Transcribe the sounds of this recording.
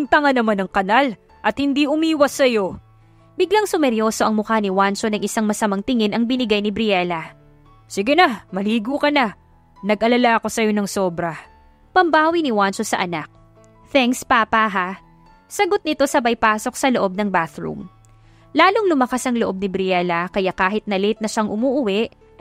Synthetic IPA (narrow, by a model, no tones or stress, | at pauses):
ŋt̪ɐŋɐnɐmanɐŋkɐnal | ʔɐt̪̚hɪnd̪iʔʊmiːwɐsːɐjo̞ | bɪɡlaŋsʊmɛɾjo̞ːso̞ʔɐŋmʊkanɪwant͡ʃonɐŋʔɪsaŋmɐsɐmɐŋt̪ɪŋɪnɐŋbɪnɪɡajnɪbɾɪɛlɐ | sɪɡɛnamɐliːɡukɐna | nɐɡʔɐlalaɐko̞sɐjo̞nɐŋso̞ːbɾɐ | pɐmbaːwinɪwant͡ʃosɐʔɐnak̚ | θɛŋkspaːpaɦa | sɐɡo̞t̪̚nɪt̪o̞sɐbɐjpaːso̞k̚sɐloʔo̞b̚nɐŋbaθɹṵm | laːloŋlʊmɐkasʔɐŋloʔo̞b̚nɪbɾɪɛlɐkɐjakaːɦɪt̪̚nɐlɪt̪̚nɐʃaŋʔʊmuːʔʊwɛʔ